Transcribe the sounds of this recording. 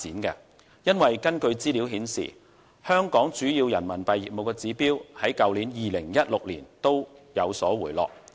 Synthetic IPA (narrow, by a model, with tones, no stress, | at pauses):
iː˨˥nkɛː˧ | jɐ˥nwɐ˨jkɐ˥nkɵ˧ɥt͡siː˥liː˨˥wɦiː˨˥nsḭ˨˩ | hœː˥ŋkɔː˨˥ŋt͡ʃyː˨˥jiː˧wjɐ˨˩nmɐ˨˩npɐ˨jːiː˨p̚mo˨wkɛː˧t͡siː˨˥piː˥whɐ˨˥jkɐ˨˧wliː˨˥njiː˨lɪ˨˩ŋjɐ˥t̚lʊ˨k̚liː˨˩nt̪o˥wjɐ˨˧wsɔː˨˥wuː˨˩jlɔ̰ː˨k̚